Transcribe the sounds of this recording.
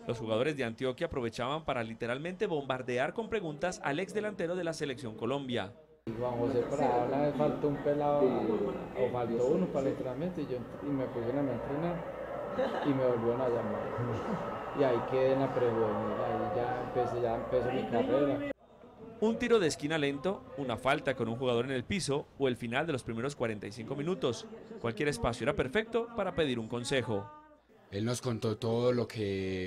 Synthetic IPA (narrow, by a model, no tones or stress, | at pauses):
lʔo̞sxuɣað̞o̞ɾe̞zd̪e̞ant̪jo̞kjaːpɾo̞β̞e̞t͡ʃaβampaɾalit̪e̞ɾalmẽ̞nt̪e̞βo̞mbaɾd̪e̞aɾko̞mpɾe̞ɣunt̪asa̰lekzd̪e̞lant̪e̞ɾo̞ð̞e̞lase̞le̞ksjo̞ŋko̞lo̞mbja̰ | hwaŋxos̬epaɾaunaβesfalt̪oumpelao | ofalt̪ounopaɾalit̪eɾalment̪eiʝont̪imepusienament̪ɾenaɾ | imeβolβjonajama | iaikeðenapɾeɣeniɾaiʝaempeseʝaempes̬omik̪apeeɾa | unt̪iɾo̞ðe̞ːskinale̞nt̪o̞unafalt̪ako̞nuŋxuɣað̞o̞ɾe̞ne̞lpiso̞ːe̞lfinald̪e̞lo̞spɾime̞ɾo̞skwaɾe̞nt̪ajsiŋko̞mĩnut̪o̞skwalkje̞ɾe̞spasjoeɾape̞ɾfe̞k̚t̪o̞paɾape̞ðiɾuŋko̞nse̞xo̞ | e̞lno̞sko̞nt̪o̞t̪oðolo̞kʰe